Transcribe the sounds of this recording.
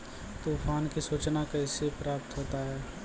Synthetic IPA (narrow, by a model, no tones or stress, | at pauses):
t̪uːpʰaːnkisuːt͡ʃnakəɪsepɾaːp̚t̪ɦoːt̪aɦɛː